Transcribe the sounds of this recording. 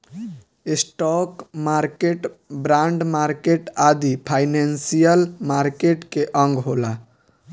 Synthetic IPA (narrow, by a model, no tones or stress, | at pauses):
esʈɔkmaɾkeʈbɾaɳɖmaɾkeʈad̪ipʰajnensijəlmaɾkeʈkeʔə̃ŋɡɦola